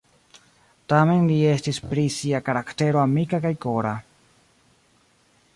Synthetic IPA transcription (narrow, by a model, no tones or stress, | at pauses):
tame̞nliestispɾisiakaɾakte̞ɾoamikakajkoɾa